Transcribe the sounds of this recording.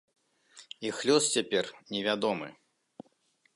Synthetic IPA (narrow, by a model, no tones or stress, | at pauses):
ixlʲɔst͡sʲapʲɛrnʲɛvʲad̪ɔmɨ̰